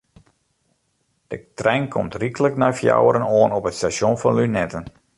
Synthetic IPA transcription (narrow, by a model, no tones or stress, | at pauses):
d̥ətrɛjŋkʰɔmtrikələknɔjfja̰wəɾənoːənɔpətstaʃjonfɑnlynɛtən